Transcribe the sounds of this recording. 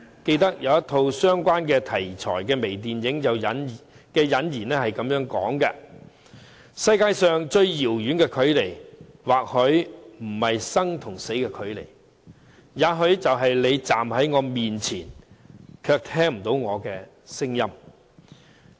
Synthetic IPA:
ke˧jt̪̬ɐ˥k̚jɐ˨˧wjɐ˥t̪ʰo˧wsœː˥ŋkʷaː˥nkɛː˧t̪ʰɐ˨˩jt͡ʃʰɔ̰ː˨˩jkɛː˧me˨˩jt̪̬iː˨njɪ˨˥ŋjɐ˨˧wjɐ˨˥n˨ | kɛː˧jɐ˨˥njiː˨˩nɛː˥hɐ˨jkɐ˨˧˥mjœː˨˥ŋkɔː˨˥ŋkɐ˧ | sɐ˧jkaː˧jsœː˨ŋt͡ʃɵ˧ɥjiː˨˩wjyː˨˥nkɛː˧kʰɵ˨˧˥ɥle˨˩j | waː˨k̚hɵ˨˥ɥm̩˨˩hɐ˨jsɐ˥ŋt̪ʰʊ˨˩ŋse˨˥jkɛː˧kʰɵ˨˥ɥlḛ˨˩j | jaː˨˧ɦɵ˨˧ɥt͡sɐ˨wɦɐ˨jle˨˧jt͡saː˨mhɐ˨˥jŋɔː˨˧miː˨nt͡sʰiː˨˩nkʰœː˧k̚t̪ʰɛː˥ŋm̩˨˩t̪o˨˥wŋɔː˨˧kɛː˧ | sɪ˥ŋjɐ˥m

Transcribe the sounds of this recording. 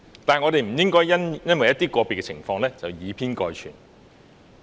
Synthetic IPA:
t̪aː˨ŋɔː˨˧ɾe˨jm̩˨˩jɪ˥ŋkɔː˥jɐ˥njɐ˥nwɐ˨jɐ˥t̪iː˥kʷɔː˧pe˨˩kɛ˧t͡sʰɪ̰˨˩ŋfɔː˧ŋlɛː˥t͡sɐ˨˩wjiː˨˧pʰiː˥nkɔː˧jt͡ʃʰy̰ː˨˩n

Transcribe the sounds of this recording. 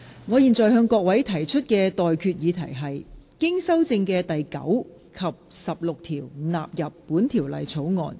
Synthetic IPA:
ŋɔː˨˧jiː˨˩nt͡sɔː˨jɦœː˧ŋkɔː˧k̚wɐ˨˥jt̪ʰɐ˨˩jt͡ʃʰɵ˥t̚kɛː˧t̪ɔː˨jkʰyː˧t̚jiː˨˧t̪ʰɐ̰˨˩jɦɐ˨jkɪ˥ŋsɐ˥wt͡sɪ˧ŋkɛː˧t̪ɐ˨jkɐ̰˨˥w | kʰɐ˨˩p̚sɐ˨p̚lʊ˨k̚t̪ʰiː˨˩wnaː˨p̚jɐ˨pːuː˨˥nt̪ʰiː˨˩wlɐ̰˨jt͡sʰo˨˥wŋɔ̰ː˨n

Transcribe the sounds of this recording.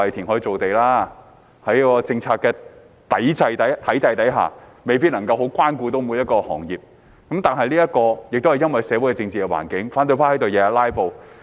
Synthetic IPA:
ɐ˨jt̪ʰiː˨˩nɦɔː˨˥ji˧t͡so˨wt̪e˨jlaː˥ | hɐ˨˥jkɔː˧t͡sɪ˧ŋt͡sʰaː˧k̚kːɛː˧ | t̪ɐ˨˥jt͡sɐ˧jt̪ɐ˨˥jt̪ʰɐ˨˥jt͡sɐ˧jt̪ɐ˨˥jɦa̰ː˨me˨jp̬iː˧t̚nɐ˨˩ŋkɐ˧wɦo˨˥wkʷaː˥nkuː˧t̪o˨˥wmu˨˧˥jɐ˥t̚kɔː˧hɔ̰ː˨˩ŋjiː˨p̚ | kɐ˨˥mt̪aː˨nɦɐ˨jliː˥jɐ˥t̚kɔː˧jɪ˨k̚t̪o˥hjɐ˥nwɐ˨jsɛː˨˥wu˨˥kɛ˧t͡sɪ˧ŋt͡siː˨kɛ˧wa̰ː˨˩nkɪ˨˥ŋfaː˨˥nt̪ɵ˧faː˥hɐ˨˥t̪o˨wjɛː˨˧˥laː˥jpo˨w

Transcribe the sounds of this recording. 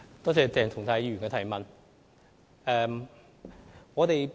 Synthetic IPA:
t̪ɔː˥t͡sɛː˧t͡sɛː˨˧ŋt̪ʰʊ˨˩ŋt̪ʰa˨˥jyː˨˩nkɛː˧t̪ʰɐ˨˩jmɐ˨n | ɛː˨˧m | ŋɔː˨˧t̪e˨j

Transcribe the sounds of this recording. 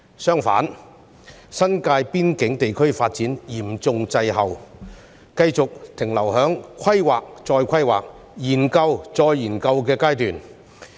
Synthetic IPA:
sœː˥ŋfa̰ː˨˥n | sɐ˥nkaː˧jpiː˥nkɪ˨˥ŋt̪e˨jkʰɵ˥ɥfaː˧t̚t͡siː˨˥njiː˨˩mt͡sʊ˧ŋt͡sɐ˧jɦɐ˨w | kɐ˧jt͡sʊ˨k̚t̪ʰɪ˨˩ŋlɐ˨˩wɦœː˨˥ŋkʰɐ˥jwaː˨k̚t͡sɔː˧jkʷʰɐ˥jwa̰ː˨˩k̚ | jiː˨˩nkɐ˧wt͡sɔː˧jːiː˨˩nkɐ˧wkɛː˧kaː˥jt̪yː˨n

